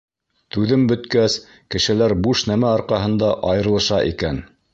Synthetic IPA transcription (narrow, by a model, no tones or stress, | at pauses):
t̪ʉðɘmbɵ̆t̪kæs | kɘ̆ʃɘ̆læɾbuʃnæmæɑɾqɑɦɤ̆nd̪ɑʔɑjɤ̆ɾlˠɤ̆ʃɑʔḭkæn